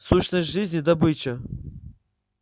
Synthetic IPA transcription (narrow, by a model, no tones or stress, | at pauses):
suɕnəsʲʐɨzʲnʲɪd̪ɐbɨt͡ɕə